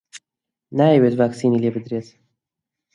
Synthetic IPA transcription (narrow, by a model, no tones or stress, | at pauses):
naːjewet̪vaːksiːnilebɨd̪ɾeːt̪